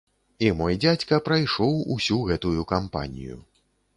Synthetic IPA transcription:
imɔjd͡zʲat͡sʲkɐpɾɐjʂɔwṵsʲuɣɛt̪ujukampa̰nʲḭjṵ

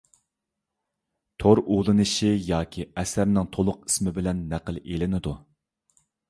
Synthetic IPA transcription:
t̪ʰoɾulˠɨnɨʃijɑːkʲʰiɛsæɾnɪŋt̪ʰolˠʊqi̥smɪbɪlɛnːæqəlˠelɪnɪd̪u

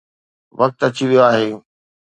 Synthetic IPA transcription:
ʋɐk̚t̪ɐt͡ɕiʋijoaːɦeː

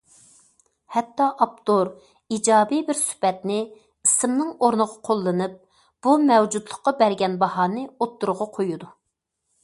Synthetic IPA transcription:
hɛt̪ːɑʔɑp̚t̪oɾ | id͡ʒɑːbibɪɾsy̥pɛt̪nɪ | isɨmnɨŋoɾnəʁɑqʰolˠːɨnɨp̚ | b̥umɛwd͡ʒud̪lˠəχqːɑbæɾɡʲɛnbɑhɑːnɨot̪ːuɾʁɑqʰojud̪u

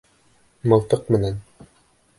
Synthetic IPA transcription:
mɤ̆lˠt̪ɤq̚mɘ̆næn

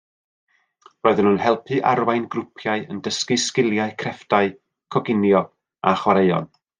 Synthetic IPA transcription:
roːɨðənhunhɛlˠpʰɨʔa̰ɾwajnɡrʊpʰjaɨəndəskɨskɪlˠjaɨkʰrɛfd̥aɨ | kʰɔɡɪnjɔ | a̰χwaɾejɔ̰n

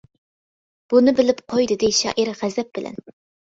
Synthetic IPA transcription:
b̥unɨbɪlɪpqʰojd̪ɨd̪eʃɑ̰ːʔiɾʁæzɛp̚b̥ɪlʔɛ̰n

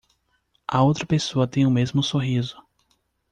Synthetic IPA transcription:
ɐowt̪ɾɐpesoɐt̪ẽj̃ʊmezmʊsoɦizʊ

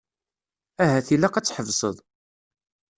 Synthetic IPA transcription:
æɦæθilːæqæt͡sːħəvsˤəðˤ

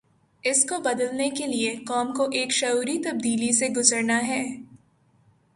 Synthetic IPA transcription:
ɪskobɐd̪əlnekeliekɔːmkoʔeːkʃɐuːɾit̪ɐb̚d̪iːliseɡʊzəɾnaɦɛː

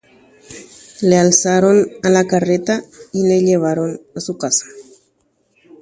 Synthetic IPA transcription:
lealsaɾonalakaret̪aileʎeβ̞aɾo̞nasukasḁ

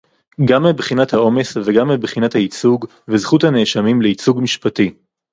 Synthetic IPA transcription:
ɡamːebχinathao̞me̞sveɡamːibχinathait͡suɡ | vezχuthaneʃamimleit͡suɡmiʃpati

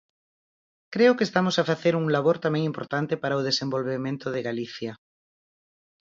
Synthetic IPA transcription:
kɾeokest̪amosafaθeɾuŋlaβ̞oɾt̪amẽŋĩmpoɾt̪ant̪epaɾaoð̞esẽmbolβemẽnt̪oðeɣaliθja

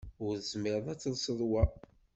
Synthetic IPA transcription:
ʊɾzmɪɾðˤæt͡sːəlsəðˤwæ

